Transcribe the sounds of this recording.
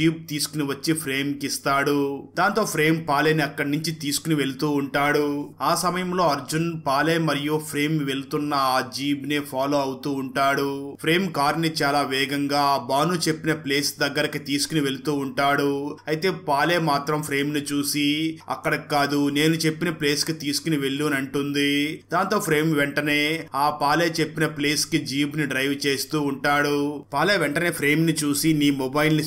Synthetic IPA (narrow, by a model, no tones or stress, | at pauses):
iːb̚t̪iːsu̥kuniʋɐt͡ʃːipʰɾe̞ːmkist̪aːɽud̪aːnt̪o̞ːpʰɾe̞ːmpaːleːniɐkːɐɽɐnuɲt͡ʃit̪iːsu̥kuniʋe̞lut̪uːɳʈaːɽuaːsɐmɐjɐmlo̞ːɐɾd͡ʒunpaːleːjmɐɾijupʰɾe̞ːmʋe̞lt̪unːɐaːd͡ʒiːbnepʰaːlo̞ːɐwut̪uːɳʈaːɽupʰɾe̞ːmkaːɾnit͡ʃaːlaːʋɛːɡɐŋɡaːbaːnut͡ʃe̞pːinɐple̞ːsd̪ɐɡːɐɾɐkit̪iːsu̥kuniʋe̞lut̪uːɳʈaːɽuɐjit̪e̞ːpaːle̞ːmaːt̪ɾɐmpʰɾe̞ːmnit͡ʃuːsiɐ̰kːɐɽɐkikaːd̪une̞ːnut͡ʃe̞pːinɐpleːskit̪iːsu̥kuniʋe̞ɭːuːnɐɳʈund̪id̪aːnt̪o̞ːpʰɾe̞ːmʋɛɳʈɐne̞ːaːpaːleːt͡ʃe̞pːinɐpleːskid͡ʒiːpniɖɾɐjʋt͡ʃe̞ːst̪uːɳʈaːɽupaːleːʋɛɳʈɐne̞ːpʰɾe̞ːmnit͡ʃuːsiniːmɔbɐjilni